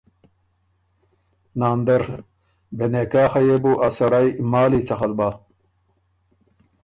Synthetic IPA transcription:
naːnd̪ɐɾ | benekaːxɐjebuːʔɐsɐɾajmaːliːt͡sɐxɐlbaː

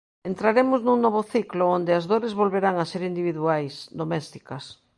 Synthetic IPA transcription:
ent̪ɾaɾemʊznuŋnɔβʊθikloond̪ɪɐzðoɾezβolβeɾaŋaseɾind̪iβ̞iðuajsd̪omɛst̪i̥kɐs

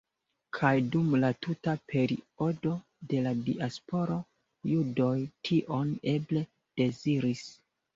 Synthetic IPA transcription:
kʰajdumlatutapʰe̞ɾḭo̞do̞ | de̞ladiaspo̞ɾo̞ | judo̞jtʰiʔo̞ne̞ble̞ | d̥e̞ziɾis

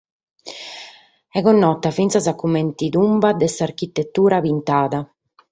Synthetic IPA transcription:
ɛɣɔnːɔt̪ːafint̪sasakːument̪iðumbad̪ɛsaɾkit̪ːet̪ːuːɾapint̪aːða

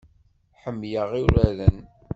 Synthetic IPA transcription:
ħəmːjəʁiɾæðən

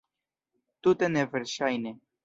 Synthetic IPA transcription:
t̪ut̪enevɨɾʃajne

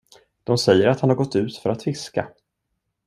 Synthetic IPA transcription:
d̪̥ɔmsɛjːəɾat̪hanhaɾɡɔt̪ːʉ̟ːt̪fœɾat̪fɪska̰

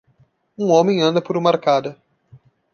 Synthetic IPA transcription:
ũõmẽj̃ɐ̃nd̪ɐpoɾumɐaɾkad̪ɐ

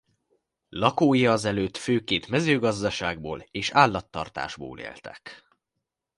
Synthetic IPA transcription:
lɒkoːjɒːzɛløːt̪føːkeːnt̪mɛzøːɡɒzd̪ɒʃaːɡ̚bo̰ːleːʃaːlːɒt̪ːɒ̰rt̪a̰ːʒbo̰ːlḛːlt̪ɛ̥̰k

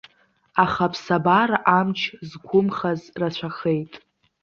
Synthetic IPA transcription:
aχapʰsabaɾaʔamt͡ʃʰzɡʷʊmχazrat͡ɕʷʰaχe̞jtʼ

